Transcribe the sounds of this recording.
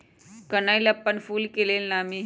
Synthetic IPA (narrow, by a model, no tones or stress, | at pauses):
kənajləpːəɳfuːlkelelnami